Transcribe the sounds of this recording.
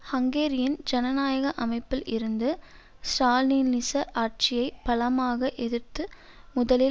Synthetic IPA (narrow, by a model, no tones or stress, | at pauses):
hɐŋɡeːɾɪjɪnd͡ʒɛnɐnaːjɐɣɐʔɐmɐɪpːɪlʔɪɾɯnd̪ɯ | sʈaːlninːɪsɐʔaːʈ̚t͡ʃɪjɐɪpɐlɐmaːɣɐʔɛðɯɾt̪ɯ | mʊðɐlɪ